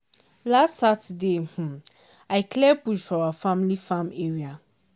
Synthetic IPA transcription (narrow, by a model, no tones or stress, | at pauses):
lastsatdeh̩ | aɪkʰlɛpuʃawafãmlifãmeɹia